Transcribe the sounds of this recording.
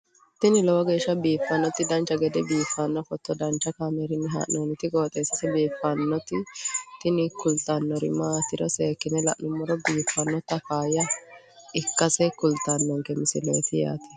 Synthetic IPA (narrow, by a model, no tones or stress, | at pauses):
t̪ɪnɪlɔwɔɡeːʃːɐbiːfːɐnːɔt̪ɪd̪ɐnt͡ʃːɐɡɛd̪ɛbiːfːɐnːɔfɔt̪ːɔd̪ɐnt͡ʃːɐkaːmɛɾɪnːɛɦa̰ːʔnɔːnɪt̪ɪɡoːt̪ʼeːsɐsɛbiːfːɐnːɔt̪ɪt̪ɪnɪkʊlt̪anːɔɾɪ̰maːt̪ɪɾɔseːkːɪnɛlɐ̰ʔnʊmːɔɾɔbiːfːɐnːɔt̪ːɐkaːjɐ | ɪkːɐsɛkʊlt̪ːanːɔŋkɛmɪsɪleːt̪ɪja̰ːt̪ɪ̥